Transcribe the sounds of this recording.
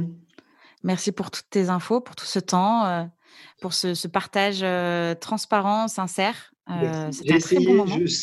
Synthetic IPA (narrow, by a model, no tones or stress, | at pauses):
mɛʁsipuʁt̪u̥t̪ːezɛ̃fopuʁt̪ʰu̥sət̪ɑ̃ø | puʁsəsəpaʁt̪aʒøt̪χɑ̃spaʁɑ̃sɛ̃sɛʁ | øsɛʒɛt̪χɛmɔ̃ɔʒys